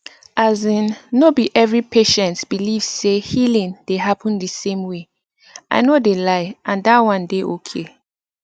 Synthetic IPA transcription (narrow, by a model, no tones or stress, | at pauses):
ʔazĩnːobiʔɛvɹipʰeʃɛ̃ntsb̥iliv̥sehilĩndeɦapʰə̃ndəsẽmwe | ʔa̰ɪnodelaɪʔãndatwʌ̃ndeʔokʰe